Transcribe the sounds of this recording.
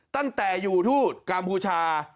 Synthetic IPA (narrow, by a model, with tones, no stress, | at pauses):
t̪a˥˩ŋt̪ɛː˨˩juː˨˩t̪ʰuː˥˩t̪̚ka˧mpʰuː˧t͡ɕʰaː˧